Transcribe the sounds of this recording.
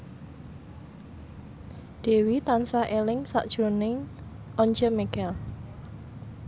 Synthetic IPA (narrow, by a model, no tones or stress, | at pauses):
d̥e̤wit̪ansaʔelɪŋsa̰ʔd̥ʒ̥ɾonɪŋ | ʔɔɲd͡ʒəmɛkɛl